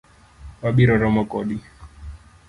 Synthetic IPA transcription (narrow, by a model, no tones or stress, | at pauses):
waɓiɾɔɾɔmɔkɔɗi